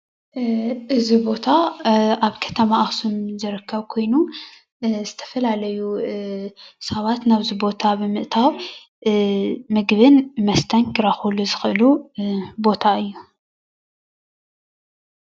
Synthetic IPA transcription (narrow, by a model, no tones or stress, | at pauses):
ʔɨzibo̞t̪ʰaaβkʰɐ̥t̪ʰɐmaʔaxsumzɨɾɨkʰːɐβkʰo̞jnu | zɨt̪ʰɐ̥fɐlalɐju | sɐβat̪naβzibo̞t̪ʰabɨmɨʔt̪ʰaw | mɨɡβɨnmɐst̪ʰɐnkʰɨɾaxuluzɨxʔɨlubo̞t̪ʰaɨjːu